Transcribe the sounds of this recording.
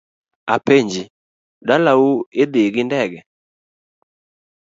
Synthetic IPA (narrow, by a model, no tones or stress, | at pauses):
apeɲd͡ʒi | dalaued̪eɡindɛɡɛ